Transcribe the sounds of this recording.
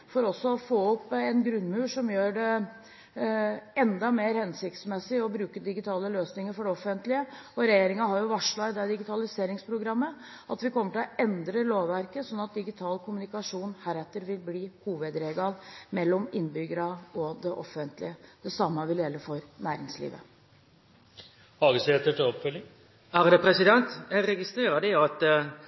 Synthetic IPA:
fɔɾɔsːɔɔfoːɔpːɛnɡɾʉnmʉːʂɔmjøːɖɛ | ɛnd̪ɑmeːɾhɛnsɪk̚t̪smɛsːɪɔbɾʉːkəd̪ɪɡɪt̪ʰɑːləløːsnɪŋəɾfɔɖɛɔfənt̪lɪəɔɾɛjeːɾɪŋɑɦɑɾjʊʋɑʂɭɑɪd̪ɛd̪ɪɡɪt̪ʰɑlɪseːɾɪŋspʰɾʊɡɾɑmːə | ɑt̪ʋɪkʰɔmːəʈɪlɔʔɛnd̪ɾəloːʋʋæɾkəsɔnːɑt̪̚d̪ɪɡɪt̪ʰɑːlkʰʊmʉnɪkɑʂuːnhæːɾɛt̪ːəɾʋɪlbliːhuːʋəd̪ɾeːɡɑlmɛlːɔmɪnːbʏɡəɾɑɔd̪ɛʔɔfənt̪lɪ̰əd̪̥ɛsɑmːəʋɪljɛlːəfɔɾnæːɾɪŋslḭːʋə̰ | hɑɡəset̪ːəʈɪɔpfʏlɪŋ | æʁd̪ɛpʰɾɛsɪd̪ɛnt̪jɛɡɾɛɡɪst̪ɾeːɾəd̪ɪɑt̪

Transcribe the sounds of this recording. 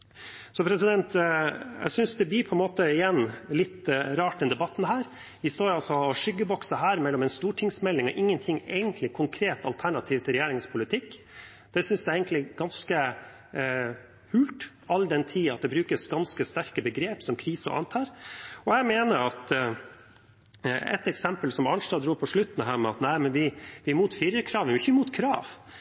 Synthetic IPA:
sɔpʰɾɛsɪd̪ɛnt̪jæ̰sʏnsd̪ɛbliːpʰɔɛnmoːt̪əɪjɛnːlɪt̪ːɾɑːʈ̚d̪ɛnd̪ɛbɑt̪ːn̩ɦæːɾ | ʋɪst̪oːɾɑlsɔɔʂʏɡːəbɔksəɦæːɾmɛlːɔmɛɪnst̪uːʈʰɪŋsmɛlːɪŋɔʔɪŋːənt̪ʰɪŋːæ̰ɪɡənt̪ʰlɪkʰʊŋkʰɾeːt̪ɑ̰lt̪ʰæɳɑt̪ʰiːʋt̪ʰɪlɾɛjeːɾɪŋspʰʊlɪt̪ʰɪkː | d̪̥ɛsʏnsd̪ɛeɪɡənt̪lɪɡ̥ɑnskə | hʉːlt̪ | ɑlːd̪ɛnt̪ʰiːɑt̪̚d̪ɛbɾʉːkəsɡɑnskəst̪æɾkəbəɡɾeːpsɔmkʰɾiːsə̰ʔɑ̰nt̪ʰɑːɾɔæɪmeːnəɾɑt̪ | ɛ̰t̪ɛksɛmpəlsɔmɑnʂt̪ɑd̪ɾuːpʰɔʂɭʉt̪ːn̩ɦæːɾmɛɑt̪næɪmɛnʋɪʋɪɾmuːt̪fɪɾəkʰɾɑːʋɪmɪçəmuːt̪kʰɾɑːʋ

